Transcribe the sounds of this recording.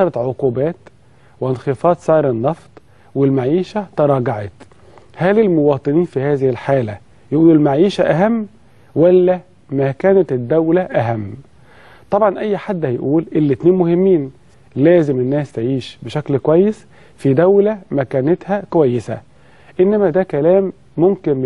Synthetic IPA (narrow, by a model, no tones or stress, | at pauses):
ɑɾˤɑt̪ʕoquːbæːt̪ | weʔnxefɑːd̪sˤɑːɾˤenːɑft̪ˤ | welmaʕiːʃæt̪ɑɾˤɑːɡaʕɑ̰t̪ | hælɪlmowɑːt̪ˤɨniːnfihæːzɪhɪlħaːlæ | jʔuːlelmaʕiːʃæʔæɦæmː | wælːæ | mækæːnæt̪ed̪ːæwlæʔæɦæmː | t̪ˤɑbʕɑnʔæjːħad̪ːhæjʔuːlʔelːɪt̪neːnmʊhɪmːiːn | læːzɪmɪnːæːst̪eʕiːʃbeʃæklkwæjːes | fid̪æwlæmækæːnet̪hækowæjːesæ̰ | ʔɪnːæmæd̪æːkælæːmː | ʊmkɪn